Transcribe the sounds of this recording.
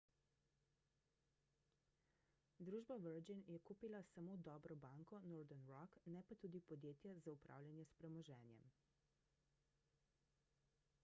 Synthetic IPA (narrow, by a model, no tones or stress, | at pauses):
d̪ɾuːʒbaʋəɾd͡ʒinjɛkuːpilasamod̪ɔːbɾɔbaŋkɔnoːɾd̪ɛnɾɔknɛpat̪uːd̪ipɔd̪jeːt̪jazaupɾʔa̰ːwlʲjanjɛspɾɛmɔʒɛ̰ːnjɛ̰m